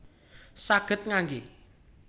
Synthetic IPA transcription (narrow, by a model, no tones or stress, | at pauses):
saɡ̥ət̪̚ŋaŋɡi